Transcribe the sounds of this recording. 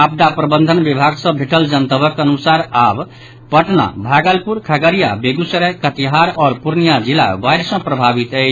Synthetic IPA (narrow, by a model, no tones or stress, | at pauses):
ap̚d̪apɾəbənd̪ʱənbibʱaɡsə̃bʱeʈəld͡ʒənt̪əbəkənusaɾab | pəʈna̰bʱaɡəlpuɾkʰaɡəɾija̰beɡusəɾɛkət̪iɦaɾɔɾpuɾnijad͡ʒila̰ʋajɾsə̃pɾəbʱabit̪ət͡ʃʰ